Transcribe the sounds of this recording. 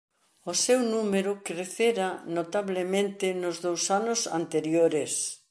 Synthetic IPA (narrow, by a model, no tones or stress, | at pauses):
ʊsewnumeɾʊkɾeθeɾanot̪aβlemẽnt̪ɪnʊzðowsanʊsa̰nt̪eɾjoɾes